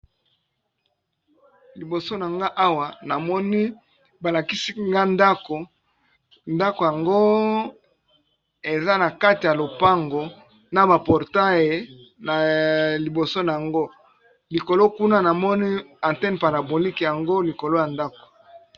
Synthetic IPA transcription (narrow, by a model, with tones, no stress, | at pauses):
li˨bo˨so˦na˨ŋɡa˦ʔa˦wa˨na˨mɔ˦ni˦ | ba˨la˨ki˦si˦ŋɡa˦nda˦ko˨ | nda˦ko˨ja˨ŋɡo˦ | e˨za˦na˨ka˦ti˨ja˨lo˨pa˦ŋɡo˨ | na˨ba˨pɔ˨ʁta˦je˨ | na˨li˨bo˨so˦na˨ja˨ŋɡo˦ | li˨ko˨lo˦ku˦na˦na˨mɔ˦ni˦ã˨ntɛ˦npa˨ɾa˨bo˨li˦kja˨ŋɡo˦li˨ko˨lo˦ja˨nda˦ko̥˨